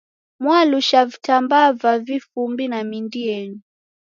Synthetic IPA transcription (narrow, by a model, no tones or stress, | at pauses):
mwaluʃavitambavavifumbinamindiɛni